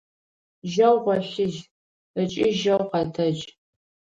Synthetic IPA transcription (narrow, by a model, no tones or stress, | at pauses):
ʒɐwʁʷɔɬɪʒ | ət͡ʃʼɪʒɐwqɐtʰɐd͡ʒ